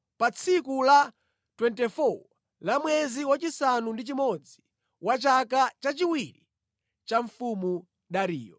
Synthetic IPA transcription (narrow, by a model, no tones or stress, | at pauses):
pat͡sʰikula | twɛntɛfɔ | lamwɛziwat͡ʃisanundit͡ʃimɔd͡zi̥ | wat͡ʃakat͡ʃat͡ʃiwiɾi | t͡ʃaɱfumu | ɗaɾḭːjɔ̰